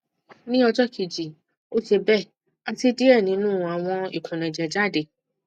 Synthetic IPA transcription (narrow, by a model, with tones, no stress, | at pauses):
nĩ˦ɔ˧d͡ʒɔ˦kʰi˨d͡ʒi˨ | o˦se˧bɛ˦˨ | a˧ti˧di˦ɛ˦˨nĩ˨˦nũː˦˨a˨w̃ɔ̃˧ḭ˨kʰũ˨nɛ̃˨d͡ʒɛ˨d͡ʒa˦˨de˨